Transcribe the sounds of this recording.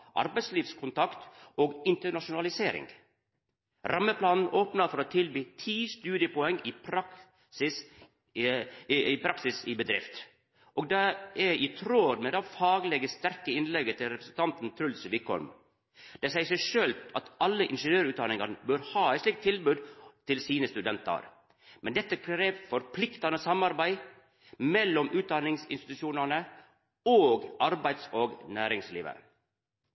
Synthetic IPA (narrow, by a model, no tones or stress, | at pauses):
ʔɑ̰ɾbæɪsliːʋskʰʊnt̪ʰɑkt̪oːɡɪnt̪əɳɑʂʊnɑlɪseːɾɪ̰ŋɡ | ɾʔɑmːəpʰlɑːnn̩ʔoːpnəfɔɾoːt̪ʰɪlbiːt̪ʰiːst̪ʉːd̪ɪəpɔɛŋɪpʰɾɑk | sɪs | ɪpʰɾɑksɪsɪbəd̪ɾɪ̰ft̪ | ʔoːɡd̪ɛʔæɾɪt̪ʰɾoːd̪mɛːd̪ɛfɑːɡəlɛɡəst̪æɾkəɪnlɛɡət̪ʰɪlɾɛpɾəsn̩t̪ɑnt̪n̩t̪ʰɾʉlsʋiːkʰɔ̰ɾm | d̪̥ɛsæɪsæɪʂøːlt̪ɑt̪ɑlːəʔɪnʂənjøːɾʉːt̪d̪ɑnɪŋɑnəbøɾhɑːæɪt̪slɪk̚t̪ʰːɪlbʉːd̪t̪ʰɪlsiːnəst̪ʉd̪ɛnt̪ɑ̰ɾ | mɛnd̪ɛt̪ːəkʰɾeːʋfɔɾpʰlɪkt̪ɑnəsɑmɑɾbæɪ | mɛlːɔmʔʉːt̪̚d̪ɑnɪŋsɪ̰nst̪ɪ̥t̪ʉʃuːnɑnə | oːɡʔɑɾbæɪd̪soːɡnæːɾɪŋsliːʋə̰